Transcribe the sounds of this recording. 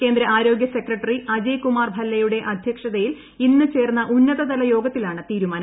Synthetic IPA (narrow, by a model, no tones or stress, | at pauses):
ke̞ːnd̪ɾɐʔaːɾo̞ːɡjɐse̞krɐʈːɐriʔɐd͡ʑɐjkumaːrbʱɐlːɐjuɽe̞ʔɐd̪ʱjɐkʂɐðɐjil | inːɨt͡ɕe̞ːrnːɐʔunːɐðɐðɐlɐjo̞ːɡɐt̪ːilaːɳɨt̪iːɾumaːn